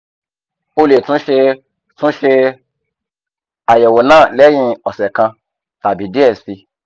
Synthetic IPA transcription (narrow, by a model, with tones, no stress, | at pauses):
o˦le˨tũ˧˦ʃe˧ | tũ˦ʃe˧ | a˨je˨wo˨nã˦˨lɛ˦jĩ˧ɔ˨sɛ˨kã˧ | ta˨bi˨di˦ɛ˨sfi˧